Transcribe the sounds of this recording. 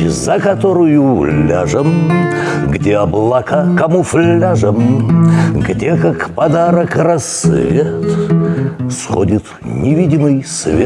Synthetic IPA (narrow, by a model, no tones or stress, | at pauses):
zɐkɐt̪o̞ɾʊjʊlʲːa̰ʐəm | ɡdʲeɐblˠakakɐmuflʲːaʐəm | ɡdʲe̞kakpɐd̪aɾəkrɐsvʲet̪ | sxodʲɪt̪ | nʲɪvʲidʲɪmɨjsvʲe